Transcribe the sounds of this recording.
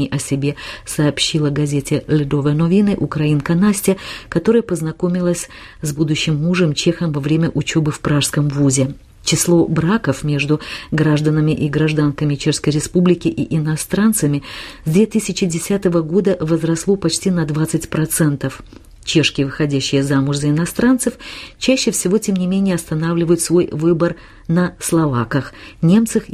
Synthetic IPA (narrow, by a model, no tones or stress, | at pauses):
ɪʔɐsʲɪbʲe̞sɐːpɕːilˠəɡɐzʲetʲɪlʲɪd̪ovənovʲinɨʔʊkɾɐinkɐnasʲtʲɪəkɐt̪o̞ɾəjəpəznɐko̞mʲɪlˠəsʲ | zbud̪ʊɕːɪmːuʐɨmt͡ɕe̞xəmvɐvɾʲemʲəʔʊt͡ɕobɨfpɾaʂskəmvuzʲɪ | t͡ɕɪslˠo̞bɾakəfmʲe̞ʐd̪ʊɡɾaʐd̪ənəmʲɪʔiɡɾɐʐd̪ankəmʲɪt͡ɕeʂskəjɾʲɪspublʲɪkʲɪʔiʔɪnɐst̪ɾant̪səmʲɪzd̪vʲet̪ɨsʲɪt͡ɕɪdʲɪsʲat̪əvəɡo̞d̪əvəzɾɐslˠo̞pɐt͡ɕtʲinɐd̪vat̪sɨtʲpɾɐt̪sɛnt̪əf | t͡ɕe̞ʂkʲɪjəvɨxɐdʲæɕːɪjəzamʊʐzəɪnɐst̪ɾant̪sɨft͡ɕæɕːɪfsʲɪvo̞tʲe̞mnʲɪmʲenʲɪjəɐst̪ɐnavlʲɪvəjʊt̪svo̞jvɨbər | nəslˠɐvakəxnʲe̞mt̪sɨf